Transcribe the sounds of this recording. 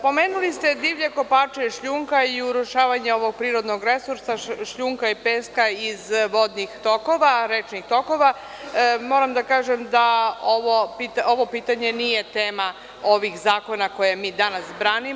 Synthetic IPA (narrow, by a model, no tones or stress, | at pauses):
po̞me̞ːnulist̪ed̪iːʋʎe̞ko̞paːt͡ʃeʃʎuŋkaiuɾuʃaːʋaɲeo̞ʋo̞ɡ̚pɾiːɾo̞d̪no̞ɡɾe̞suɾsaʃʎuŋkaipeskaizʋo̞d̪nixt̪o̞ko̞ʋaɾet͡ʃnixt̪o̞ko̞ʋa | mo̞ːɾamd̪akaːʒemd̪aoʋopit̪ao̞ʋo̞piːt̪aɲe̞nije̞t̪eːma | o̞ʋixzaːko̞nako̞jemiːd̪anasbɾaːnim